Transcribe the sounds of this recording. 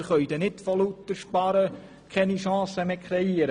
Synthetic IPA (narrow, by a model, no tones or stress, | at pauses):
χœʏd̪ɛnɪt̚folut̪ːəʃpɑɾə | kʰɛniʃɑ̃ːsəmekʰɾɛiəɾ